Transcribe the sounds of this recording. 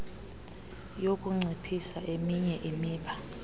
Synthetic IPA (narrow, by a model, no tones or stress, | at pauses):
jokʼuŋ͡ǀʱipʰisaʔemiɲɛʔimiːɓa